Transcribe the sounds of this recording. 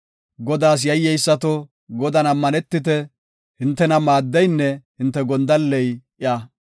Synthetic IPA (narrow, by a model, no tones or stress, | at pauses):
ɡɔd̪aːs̬jɐjːɛjsːɐt̪ɔ | ɡɔd̪ɐnɐmːɐnɛt̪ːɪt̪ɛ | hɪnt̪ːɛnɐmaːd̪ːɛjnːɛhɪnt̪ːɛɡɔnd̪ɐlːɛjʔɪjaː